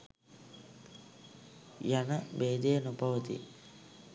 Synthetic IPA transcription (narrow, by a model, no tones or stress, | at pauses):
janəbeːd̪ejənupaʋət̪ḭ